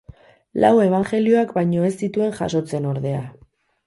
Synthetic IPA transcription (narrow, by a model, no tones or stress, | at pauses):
la̰we̞β̞aŋxe̞lio̞akbajɲo̞e̞st̪it̪ue̞ŋʝa̰so̞t͡se̞no̞ɾðe̞a